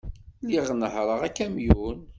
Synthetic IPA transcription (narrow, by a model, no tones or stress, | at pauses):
liʁnəhɾˤəʁækːæmjun